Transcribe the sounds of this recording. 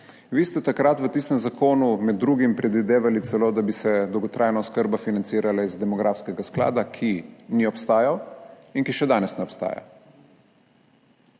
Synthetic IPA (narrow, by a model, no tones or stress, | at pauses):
ʋiːst̪ɛt̪akɾat̪ʋət̪iːst̪ɛmzakoːnumɛd̪ːɾuːɡimpɾɛd̪ʋid̪eːʋalit̪sɛloːd̪abisɛd̪ɔwɡɔt̪ɾʔaːjnaɔskəɾbafinant̪siːɾalaizd̪ɛmɔɡɾʔafskɛɡaskla̰ːd̪akʰiniɔpst̪aːjaw | inkiʃɛd̪aːnɛsnɛɔpst̪a̰ːja̰